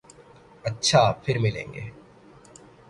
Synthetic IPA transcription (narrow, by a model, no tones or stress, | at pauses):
ɐːt͡ɕʰaːpʰiɾmilḛŋɡḛ